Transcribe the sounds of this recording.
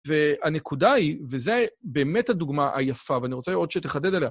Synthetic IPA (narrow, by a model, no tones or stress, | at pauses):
veane̞kʰudaivezebe̞ːmethaduɡmaʔa̰jafaveaniʁo̞t͡seod̪ʃet̪eχade̞deleha